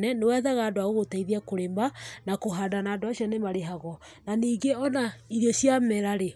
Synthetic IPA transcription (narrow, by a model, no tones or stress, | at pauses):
nɛnewɛːðaɣaːndwaɣoɣotaiðiakoɾembanakoɦadanaːndoaɕijɔnemaɾeɦaɣɔ | naniːɡeɔnaiɾeɕjamɛɾaɾe